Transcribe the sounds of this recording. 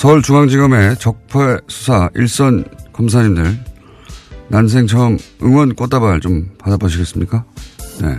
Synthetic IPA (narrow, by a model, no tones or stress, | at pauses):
sʰʌɯɭt͡ɕuŋaŋd͡ʑiɡʌme̞t͡ɕʌk̚pʰesʰu̥sʰaiɭs͈ʌnkɯms̬ʰaɲimdɯɭ | nans̬ʰe̞ŋt͡ɕʰʌŋɯŋwʌnk͈ot͈abaɭt͡ɕompadaboɕʰiɡe̞s͈ɯmɲik͈ane̞̰